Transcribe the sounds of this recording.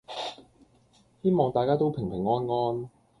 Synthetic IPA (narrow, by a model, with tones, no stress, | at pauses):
he˥jmɔː˨˩ŋt̪aː˨jkaː˥t̪o˥wpʰɪ˨˩ŋpʰɪ˨˩ŋːɔː˥nŋɔː˥n